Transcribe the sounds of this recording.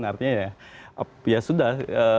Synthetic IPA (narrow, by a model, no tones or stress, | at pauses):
nart̪iɲajaapjasudahə